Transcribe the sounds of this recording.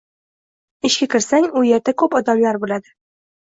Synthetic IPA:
ɪʃkʲakʲʰɪɾsaŋʊjeɾd̪akʰɵpɒd̪amlaɾbolad̪ɪ

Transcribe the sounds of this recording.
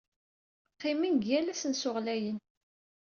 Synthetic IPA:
qːɪminɡjælæsənsʊʁlæjən

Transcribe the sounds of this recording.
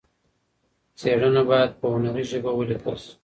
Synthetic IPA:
t͡seɽənabɑjad̪̚pəʊnaɾiʒəbawəlik̪ʰa̰s

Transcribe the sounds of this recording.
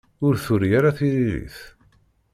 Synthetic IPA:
ʊɾθʊɾjaɾaθiɾiɾḭθ

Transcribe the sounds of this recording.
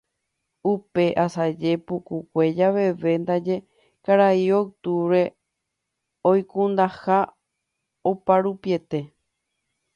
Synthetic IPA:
upe̞ʔasad͡ʒe̞pukukʷe̞d͡ʒaʋe̞ʋe̞nd̪ad͡ʒe̞ | kaɾaiowt̪uɾe̞ | ojkũnd̪aha | opaɾupie̞t̪e̞

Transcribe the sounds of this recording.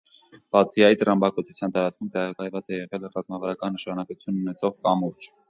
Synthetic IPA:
b̥ɑt͡sʰiɑjit̪əɾɑmbɑkɔt͡sʰut͡sʰjɑnt̪ɑɾɑt͡skʰumt̪ɛʁɑkɑjvɑt͡sɛjɛʁɛlrɑzmɑvɑɾɑkɑnːəʃɑnɑkut͡sʰjunːunɛt͡sʰɔʁkɑmuɾt͡ʃ

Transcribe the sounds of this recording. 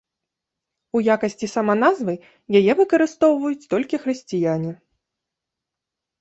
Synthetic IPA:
ujakɐsʲt͡sʲisɐmanazvɨ | jajɛvɨkɐɾɨst̪ɔwvɐjut͡sʲt̪ɔlʲkʲixɾɨsʲt͡sʲijanʲi

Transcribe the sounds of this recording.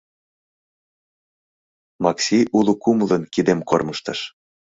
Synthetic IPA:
mɑksʲiʔulukumlənkid̪emkorməʃt̪əʃ

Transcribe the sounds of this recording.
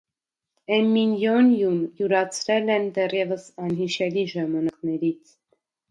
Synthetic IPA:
ɛmːinjɔnjunjuɾɑt͡sʰɾɛlɛnd̪ɛrjɛvəsɑnɦiʃɛliʒɑmɑnɑknɛɾit͡sʰ

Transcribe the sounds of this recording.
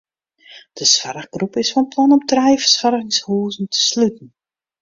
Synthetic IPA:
d̥əsfaɾəɣɡrupɪsfɔnplɔnɔptrɛjfəsfaɾəɣɪŋshuːzn̩tʰə̥slytn̩

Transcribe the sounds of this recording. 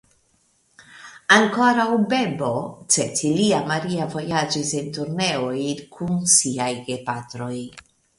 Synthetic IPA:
aŋkoɾawbebot͡setiliamaɾiavo̞jad͡ʒisent̪uɾneojkʰunsiajɡepat̪ɾo̞j

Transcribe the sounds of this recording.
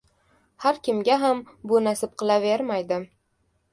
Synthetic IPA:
haɾkʲɪmɡʲaɦam | bʊnasɪp̚qʰɨlˠaveɾmajd̪ɪ

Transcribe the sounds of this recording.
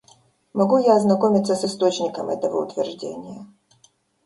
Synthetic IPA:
mɐɡujaɐznɐkomʲɪt̪səsɨst̪o̞t͡ɕnʲɪkəmɛ̰t̪əvə̰ʊ̰t̪vʲɪrʐdʲḛnʲɪjə

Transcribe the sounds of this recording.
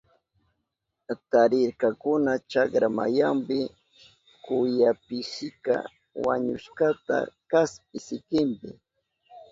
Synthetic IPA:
t̪aɾɪɾkakʊnat͡ʃakɾama̰jampɪ | kʊjapɪʃɪka̰ | wa̰ɲʊ̰ʃkat̪a̰kasp̚ɪsɪkɪmpɪ

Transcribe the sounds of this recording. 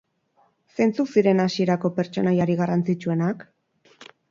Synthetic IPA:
se̞nt͡susiɾe̞nasie̞ɾako̞pe̞ɾt͡ʃo̞najaɾiɣarant͡sit͡ʃue̞nak

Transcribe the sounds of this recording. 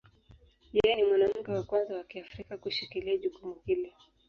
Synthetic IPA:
jɛjɛnimwanam̩kɛwakwanzawakiafɾikakuʃikiliaʄukumuhilɔ

